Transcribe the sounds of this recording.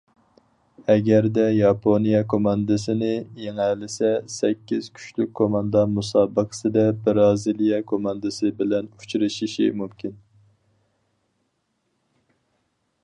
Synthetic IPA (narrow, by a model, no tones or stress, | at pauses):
ɛɡʲæɾd̪ɛjɑpʰonijɛkʰomɑnd̪ɨsɪnɪjeŋælɪsɛsɛkʲːiz̥kʲʰy̥t͡ʃlyk̚ʲkʰːomɑnd̪ɑmusɑːbəqʰə̥sɨd̪ɛbɪɾɑːzilijɛkʰomɑnd̪ɨsɨbɪlɛnu̥t͡ʃʰɾɨʃiʃḭmumkʲʰin